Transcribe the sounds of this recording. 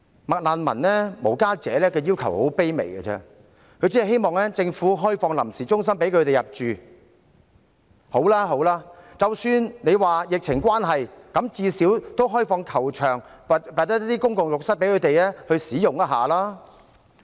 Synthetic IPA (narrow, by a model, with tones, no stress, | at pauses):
mɐ˨k̚laː˨˧nmɐ̰˨˩nlɛː˥mo˨˩wkaː˥t͡sɛː˨˥lɛː˥kɛː˧jiː˥wkʰɐ˨˩who̰˨˥wpe˥jmḛ˨˩jɡɐ̰˧t͡sɛ̰˧ | kʰɵ˧jt͡si˥˨˩ɦe˥jmɔː˨ŋlɛː˥t͡sɪ˧ŋfuː˨˥ɦɔː˥jfɔː˧ŋlɐ˨˩msiː˨˩t͡ʃʊ˥ŋsɐ˥mpe˨˥jkʰɵ˨˧t̪e˨jɐ˨˩p̚t͡ʃyː˨ | ho˨˥wlaː˥ɦo˨˧˥wlaː˥t͡sɐ˨wsyː˨˧nne˨˧jwaː˨jɪ˨k̚t͡sʰɪ˨˩ŋkʷwaː˥nɦɐ˨jkɐ˨˧˥mt͡siː˧siː˨˥wt̪o˥wɦɔː˥jfɔː˧ŋkʰɐ˨˩wt͡ʃʰœː˨˩ŋ | ppaː˨t̚t̪ɐ˥ɐ˥t̪ːiː˥kʊ˥ŋkʊ˨ŋjʊ˨k̚sɐ˥pe˨˥kʰɵ˨˧˥t̪e˨jlɛː˥hɵ˧siː˨˥jʊ˨ŋjɐ˥ɦa̰ː˨laː˥